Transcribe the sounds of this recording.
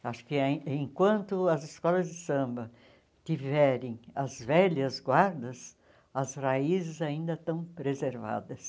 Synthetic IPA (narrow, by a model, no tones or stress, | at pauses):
aʃʊ̥kɪẽkwɐ̃nt̪ʊɐzɪskɔlɐzd̪ɪsɐ̃mbɐ | t̪ivɛɾẽj̃ɐzvɛljɐzɡwaɾd̪ɐs | ɐzʁaizɪzaĩnd̪ɐt̪ɐ̃w̃pɾezeɾva̰d̪ɐs